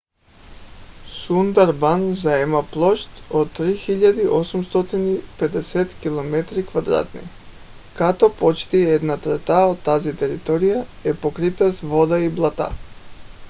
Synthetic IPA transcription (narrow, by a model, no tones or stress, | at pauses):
sund̪aɾbanzaɛmaplˠɔʃt̪ott̪ːɾixiʎːad̪iʔosumst̪ɔt̪inipɛd̪ɛsɛt̪kilˠomɛt̪ɾikvad̪ɾa̰t̪nḭ | kat̪ɔpɔt͡ʃt̪iɛd̪nat̪ɾɛt̪aod̪t̪ːazit̪ɛɾit̪ɔɾijaɛpokɾit̪asvod̪aiblˠat̪a̰